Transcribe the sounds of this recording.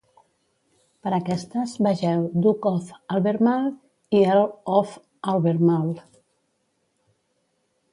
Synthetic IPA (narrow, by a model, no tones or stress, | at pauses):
pəɾakɛst̪əzbəʒɛwd̪ukɔfalˠβeɾmal | iəlɔf | alβeɾmal